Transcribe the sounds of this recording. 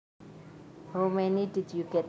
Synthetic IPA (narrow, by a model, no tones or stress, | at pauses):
romɛnid̪̥id̪juɡ̥ɛt̪